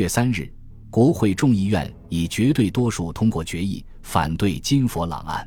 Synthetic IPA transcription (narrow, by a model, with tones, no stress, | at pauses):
ɛ˥˩sa˥nɻ̩˥˩ | kwɔ˧˥xwe˥˧ɪʈ͡ʂʊ˥˧ŋi˥˧ɥɛ̰˥˩n | i˨˩t͡ɕɥɛ˧˥t̪we˥˩ɪt̪wɔ˥ʂu˥˩t̪ʰʊ˥ŋkwɔ˥˩t͡ɕɥɛ˧˥ḭ˥˩ | fa̰˨˩nt̪we˥˩ɪt͡ɕi˥nfɔ˧˥lɑ̰˨˩ŋa̰˥˩n